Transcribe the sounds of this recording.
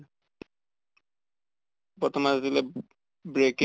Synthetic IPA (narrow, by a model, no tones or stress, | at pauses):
pɔtɔmazatilɛ | bɹek